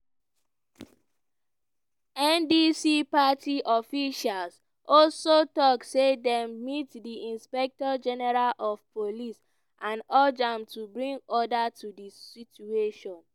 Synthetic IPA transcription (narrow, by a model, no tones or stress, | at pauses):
ɛ̃ndisipatiʔɔfiʃals | ʔɔlsotɔksedɛ̃mːitdiĩnspɛk̚tɔd͡ʒɛnɛɹalɔfpʰolis | ʔãnɔd͡ʒamtubɹĩŋɡɔdatudisit͡ʃueʃɔ̃n